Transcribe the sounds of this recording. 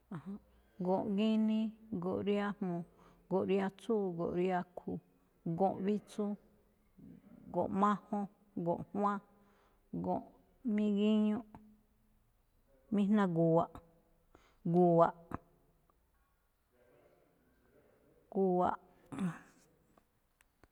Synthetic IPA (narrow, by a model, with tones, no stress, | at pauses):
a˨hã˧ | ɡõ˨ʔɡi˦nĩ˦ɡo˨ʔɾi˦a˦mmõ˨ | ɡo˨ʔɾi˧˦a˧t͡su˦˨ɡo̰˨ʔɾi˦a˦˧kʰu˧ | ɡõ˨ʔβi˦t͡su˦ | ɡõ̰˨ʔmã˦hõ˦ | ɡõ̰˨ʔhw̃ã˦ | ɡõ̰˨ʔ | mĩ˦ɣi˦ɲũ˦ | mĩ˦n̥nã˧ɡu˨wa˨ʔ | ɡu˨wa˨ʔ | ɡu˨˧wa˨ʔ